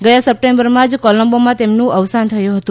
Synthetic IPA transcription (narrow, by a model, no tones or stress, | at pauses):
ɡəjãsəp̚ʈembəɾmãd͡ʒkɔləmbomãt̪emnũʔəʋsant̪ʰəjũɦət̪ũ